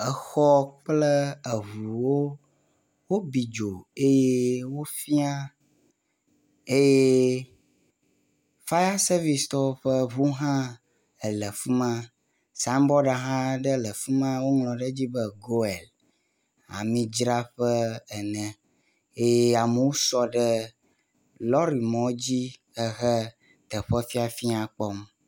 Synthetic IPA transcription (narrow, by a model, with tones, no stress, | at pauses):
ə˨xɔ˦k͡plə˦ə˨ɦu˨wo˦ | wo˦bi˨d͡ʒo˨e˦je˦wo˦fi˦a˦ | e˦je˦ | fa˦ja˦se˦vi˨st̪ɔ˦ɸə˦βu˦ɦã˦ | ə˨lə˨fu˦mã˦ | sa˦mbɔ˦ɖa˨ɦã˦ɖə˦lə˨fu˦mã˦wo˦ŋlɔ̃˨ɖə˦d͡ʑi˦bə˦ɡo˦e˨l | a̰˨mĩ˨d͡ʒɾa˦ɸɛ˦ɛ˨nɛ̃˨ | e˦je˦a˨mə˨wo˦sɔ˦ɖɛ˦ | lɔ˦ɾi˨mɔ̃˦d͡ʑi˦ | ɛ˨ɣɛ˦ | t̪ə˨ɸɛ˦fi˦a˨fi˦ã˨k͡pɔ˦m